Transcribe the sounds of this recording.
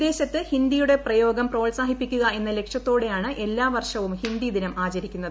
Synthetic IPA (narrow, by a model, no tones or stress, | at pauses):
d̪e̞ːɕɐt̪ːɨhind̪ijuɽe̞prɐjo̞ːɡɐmpro̞ːɭsaːɦipːikʲːuɣɐe̞nːɐle̞kʂjɐt̪ːo̞ːɽe̞jaːɳɨʔe̞lːaːʋɐrʂɐʋumhind̪id̪inɐmʔaːt͡ɕɐɾikʲːunːɐðɨɨ